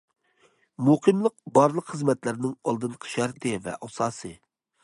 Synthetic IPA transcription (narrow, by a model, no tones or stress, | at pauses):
muqʰɨmlˠəq̚bɑɾlˠəqχɨzmɛt̪læɾnɪŋɑlˠd̪ɨnqʰə̥ʃæɾt̪ʰɨvɛ̰ʔɑsɑːsɨ